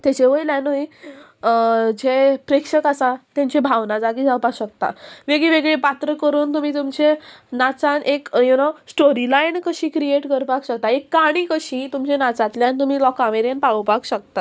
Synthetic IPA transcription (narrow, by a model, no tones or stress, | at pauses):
t̪ɛt͡ɕeʋəjlanoi | d͡ʑepɾekʂəkasat̪ãɲt͡ɕebʱaʋnad͡zaɡid͡zʱawpaɕəkt̪a̰ʋeɡɭeʋeɡɭepat̪ɾəkəɾuːnt̪um̤ĩːt̪umt͡ɕenat͡sanʔekjenasʈoɾilainkəɕiːkɾieʈkəɾpakɕək̚t̪aekːaɽ̃iːkəɕĩt̪umt͡ɕenat͡sat̪ljant̪um̤iːlɔkameɾjənpawpakɕək̚t̪a